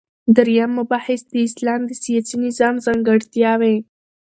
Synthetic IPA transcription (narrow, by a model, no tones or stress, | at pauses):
d̪aɾjamːʊbɑhɪsd̪əɪslɑmd̪əsijɑsinɪzɑmzaŋɡaɽt̪jɑwe